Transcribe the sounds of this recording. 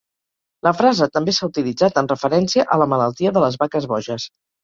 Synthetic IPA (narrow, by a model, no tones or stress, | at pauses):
ləfɾazət̪əmbesaut̪ilid͡zat̪ənrəfəɾɛnsiəʔələmələlˠt̪iəðələzβakəzβɔʒəs